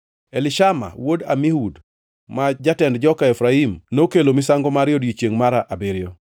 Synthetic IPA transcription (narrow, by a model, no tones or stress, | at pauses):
elɪʃama̰woda̰mihud | mad͡ʒatɛndd͡ʒɔkaɛfɾaimnokelomɪsaŋɡɔmaɾɪjodit͡ʃjeŋmaɾaʔabɪɾjo